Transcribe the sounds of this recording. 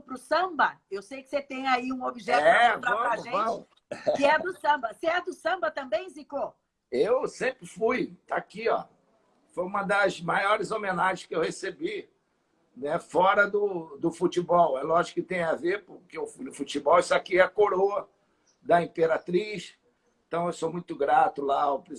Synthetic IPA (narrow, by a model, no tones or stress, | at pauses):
pɾʊsɐ̃bɐewsejkɪ̥set̪ẽj̃aiũobiʒɛɛvɾaɐ̃aʒẽjvɐ̃w | kɪɛd̪ɾʊsɐ̃mbɐseɛd̪ʊsɐ̃mbɐt̪ɐ̃mbẽj̃ziko | ewsẽpɾɪfujt̪aakiɔ̰ | fojũmɐd̪ɐzmajɔɾɪzomẽnaʒẽʃkɪewhesebi | nɛfɔɾɐd̪ʊd̪ʊfut͡ʃibɔwɛlɔʒikʊʊt̪ẽj̃avepʊɾkeʊfnʊfut͡ʃibɔwisakiɛɐkoɾoɐ | d̪ɐĩpeɾat̪ɾiʃ | ẽt̪ɐ̃w̃ewsomũj̃t̪ʊɡɾat̪ʊlaopɾi